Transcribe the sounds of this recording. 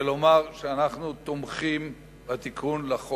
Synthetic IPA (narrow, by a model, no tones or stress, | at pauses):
elomaʁʃeanaχnut̪omχim | bat̪ikʰunlaχo